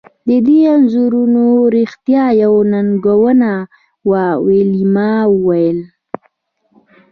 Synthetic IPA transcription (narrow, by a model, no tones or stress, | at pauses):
d̪əd̪ianzuɾunoɾixt̪jɑjawnanɡowəna | wawelimɑwəwajəl